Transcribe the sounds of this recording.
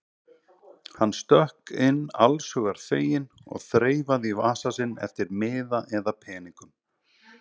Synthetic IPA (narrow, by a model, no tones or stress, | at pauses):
hanːst̪œhkɪnːa̰lsʏɣaɾ̥θeːjɪnɔ̰ɣθɾeːjvaðivaːsasɪnɛ̰ft̪ɪɾmɪːðaʔɛðapʰɛːniŋkʏm